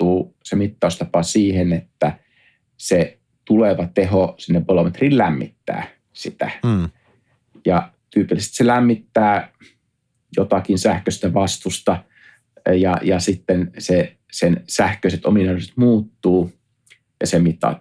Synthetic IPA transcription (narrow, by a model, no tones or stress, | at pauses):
uːsemit̪ːɑust̪ɑpɑsiːhenet̪ːæ | se | t̪uleʋɑt̪eɦosinːeʋbolomet̪riːllæmːḭt̪ːæ̰ː | sit̪æ̰ | jɑ | t̪yːpilːst̪selæmːit̪ːæː | jot̪ɑkinsæhkøst̪æʋɑst̪ust̪ɑ | jɑ̰jɑsit̪ːense | sensæhkøiset̪o̰minɑset̪muːt̪ːuː | jɑsemit̪ːɑ̰ˑu